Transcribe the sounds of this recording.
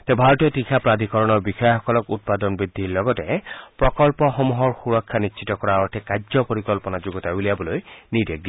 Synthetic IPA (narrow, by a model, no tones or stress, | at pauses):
t̪ebʱaɹɔtiɔtixʰapɹad̪ʱikɔɹɔnɔɹbixɔjɔxɔkɔlɔkut̚pad̪ɔnbɹid̪ʱiɹlɔɡɔtɛpɹɔkɔlpɔxɔmuɦɔɹxuɹɔkʰːanisʃʰitɔkɔɹaɔtʰɛkad͡ʒzɔpɔɹikɔlpɔnad͡ʒuɡɔtabuliabɔlojnideɡ̚di